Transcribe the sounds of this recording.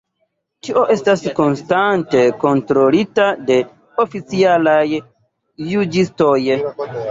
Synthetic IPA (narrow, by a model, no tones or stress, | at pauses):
tiʔo̞ʔe̞stasko̞nstante̞ko̞ntɾo̞litade̞ | o̞fit͡sialajː | ud͡ʒisto̞j